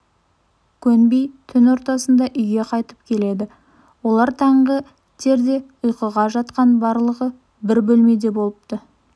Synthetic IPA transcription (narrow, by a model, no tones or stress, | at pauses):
kʲʰɵnbejt̪ʰʏnwo̞ɾt̪ɑsənd̪ɑʔʏjɡʲe̞qʰɑjt̪ə̥p̚kʲʰe̞le̞d̪ɪ | wo̞lˠɑɾt̪ʰɑɴʁə | t̪ʰe̞ɾd̪e̞ʊjqəʁɑʒɑt̪qɑnbɑɾlˠəʁə | bɪɾbɵlme̞d̪e̞bo̞lˠəp̚t̪ə